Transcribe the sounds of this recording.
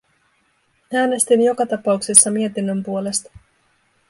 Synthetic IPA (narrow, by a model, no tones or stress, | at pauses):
æːne̞st̪injo̞kɑt̪ɑpɑuksisːɑmie̞t̪inːømpuo̞le̞st̪ɑ̥